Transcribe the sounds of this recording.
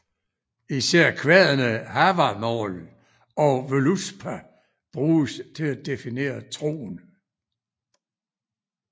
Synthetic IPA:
isæɐ̰kʰʋɛðˠənəhæʋɑmɒ̰ːl | ɒ̽ʋoluspʰæ | b̥ʁuːst͡sʰe̝læd̥e̝fine̝̰ːɐt͡sʰʁo̝̰ːn

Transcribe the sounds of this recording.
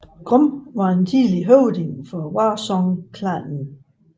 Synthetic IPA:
ɡ̥ʁɔmʋɑ̈ent͡sʰiːliɦɔʊd̥eŋfɒ̽wɑsɒŋkʰlænn̩

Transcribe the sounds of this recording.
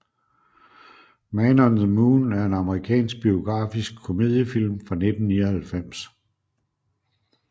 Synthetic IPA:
mɛnɒnð̩ˠmuːnæɐe̝nɑ̈məʁikʰɛ̰ːnsɡ̥̚b̥io̝ɡ̥ʁɑ̰̈ːfisɡ̥̚kʰo̝me̝ðˠjəfil̰mfʁɑ̈ne̝d̥n̩niːɐhælfem̰s

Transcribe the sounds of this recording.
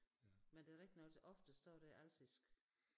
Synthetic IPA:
mend̥e̝æʁɛɡ̥̚d̥inɒ̽lsʔɒ̽fd̥əsd̥ɒ̰ːɾ̥æʔæl̰sisɡ̥

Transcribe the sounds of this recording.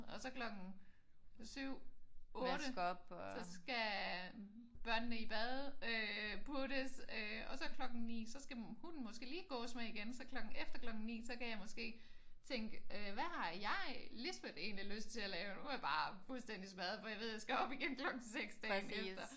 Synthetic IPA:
ɒ̽sɒ̽kʰlɒ̽ɡ̥n̩ | syʊ̰ɔːɾ̥əɡb̥sɒ̽sɡ̥æ | b̥ɶɐ̰nənəib̥ɛðˠøpʰuɾəsøɒ̽sɒ̽kʰlɒ̽ɡ̥n̩nḭːsɒ̽sɡ̥æhun̩mɒ̽sɡ̥e̝̰ːliːɡ̥ɔ̰̽ːsmaiɡ̥ensɒ̽kʰlɒ̽ɡ̥n̩efd̥ɐklɒ̽ɡ̥n̩nḭːsɒ̽kæjɑ̈ɪmɔ̽sɡ̥e̝̰ːt͡sʰeŋɡ̥əøʋæhɑ̈jɑ̈ɪlism̥ed̥e̝̰ːnliløsd̥̚t͡sʰe̝lælɛːʊnuæb̥ɑ̈ːfulsd̥end̥ismæð̞̩ˠfɒ̽jɑ̈ʋe̝̰jasɡ̥æɒ̽b̥iɡ̥enkʰlɒ̽ɡ̥n̩seɡ̥sd̥ɛned̥ɐ

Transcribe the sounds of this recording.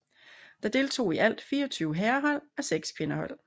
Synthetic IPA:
d̥ɑ̈d̥e̝ːlt͡sʰo̝̰ːiʔæl̰d̥fiːɐɒ̽t͡sʰyːʊəɦɛːɐɦɒ̽l̰æseɡ̥skʰʋe̝nəhɒ̽l̰

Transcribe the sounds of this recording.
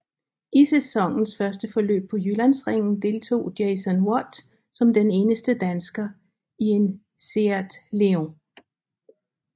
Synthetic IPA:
isesɒ̽ŋn̩sfɶɐsd̥əfɒ̽lø̰ːb̥̚pʰɒ̽jylænsʁeŋ̰n̩d̥e̝lt͡sʰo̝̰ːd̥eɪsənwɒd̥ | sɒ̽md̥ene̝ːnəsd̥əd̥ænsɡ̥ɐ | ie̝n | se̝æd̥leoŋ

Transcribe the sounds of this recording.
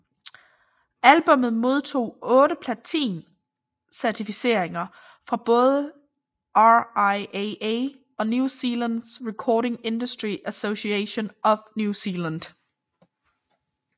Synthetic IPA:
ælb̥ɔ̽mð̩ˠmo̝ð̞ˠt͡sʰo̝̰ːɔ̽ːɾəpʰlæt͡sʰḭːn | sæɐt͡sʰifise̝ɐ̰eŋɐ | fʁɑ̈b̥ɔ̽ːð̞ˠə | ʔɑɪee | ɒ̽njusiːlænd̥sʁɛkʰɒːɾe̝ŋe̝nd̥usd̥ʁiʔæso̝ɕieɕo̝nɒ̽fnjusiːlænd̥

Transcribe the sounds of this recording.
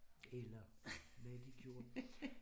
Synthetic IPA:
elɐ | mæd̥iɡ̥ʰjo̝ːɐ

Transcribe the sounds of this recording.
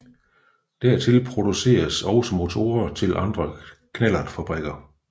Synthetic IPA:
d̥æɐt͡sʰe̝lpʰʁo̝d̥use̝̰ːɐsɒ̽ʊsəmo̝t͡sʰo̝̰ːɐt͡sʰe̝lʔɑ̈nd̥ʁɐkʰnæl̰ɐnfæb̥ʁɛɡ̥ɐ

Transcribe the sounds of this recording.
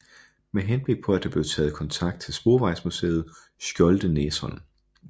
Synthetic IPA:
meɦenb̥le̝ɡ̥̚pʰɒ̽æd̥ɑ̈b̥le̝ʊt͡sʰɛ̰ːð̩ˠkʰɒ̽nt͡sʰɑ̈ɡ̥̚d̥̚t͡sʰe̝lsb̥o̝ːʋɑ̈ɪ̰smusḛːð̞̩ˠ | sɡ̥jɒ̽ld̥əneːsɒn

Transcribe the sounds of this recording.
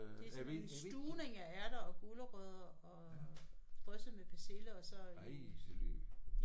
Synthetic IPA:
d̥e̝ssd̥uːne̝ŋææɐɾ̥ɐɒ̽ɡ̥oləʁœð̰ˠɐɒ̽ | b̥ʁœs̩ˠmeb̥eseləɒ̽sɒ̽

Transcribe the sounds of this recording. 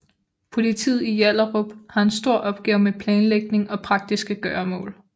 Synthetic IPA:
pʰo̝lit͡sʰḭːð̩ˠijæl̰ɐʁob̥hɑ̈e̝nsd̥o̝ɐ̰ʔɒ̽b̥̚ɡ̥ɛːʊmepʰlɛːnleɡ̥̚ne̝ŋɒ̽pʰʁɑ̈ɡ̥̚d̥isɡ̥əɡ̥ɶɐmɔ̰̽ːl

